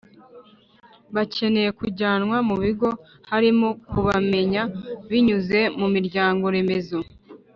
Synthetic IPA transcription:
βacʰe̞ne̞je̞kuɾɟaːnŋwamuβiɡo̞ | haɾimokuβame̞ɲaβiɲuze̞mumiɾɟaːŋɡo̞ɾe̞me̞zo

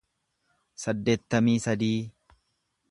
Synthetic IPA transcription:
sɐd̪ːe̞ːt̪ːɐmiːsɐd̪iː

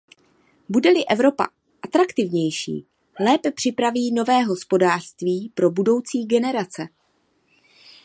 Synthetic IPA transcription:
budɛlɪʔɛvɾo̞pa̰ | ʔat̪ɾakt̪ɪvɲɛjʃḭː | lɛːpɛpr̝̥ɪpɾaviːno̞vɛːɦo̞spo̞daːr̝̥st̪viːpɾo̞budo̞wt͡siːɡɛnɛɾat͡sɛ

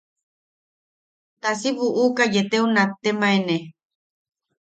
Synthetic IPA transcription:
t̪asiβuʔukajet̪eunat̪ːemaene

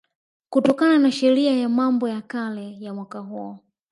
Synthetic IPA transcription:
kutɔkananaʃɛɾiajamambɔjakalɛjamwakaɦuɔ

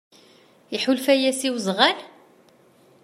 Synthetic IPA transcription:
iħulfæjæsiwzʁæl

